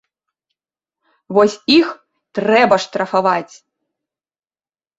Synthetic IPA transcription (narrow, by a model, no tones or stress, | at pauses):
vɔsʲix | t̪ɾɛbɐʂt̪ɾɐfavat͡sʲ